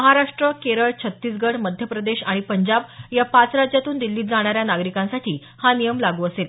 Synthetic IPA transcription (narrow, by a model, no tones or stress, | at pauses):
məɦaɾaʂʈɾəkeɾəɭt͡ɕʰət̪ːiːs̬ɡəɽməd̪ʱjəpɾəd̪eɕaɽ̃ipəɲd͡ʑabjapat͡sɾad͡ʑjat̪uːnd̪ilːiːt̪d͡zaɽ̃aɾjanaɡɾikãnsaʈʰiː | hanijəmlaɡuːəsel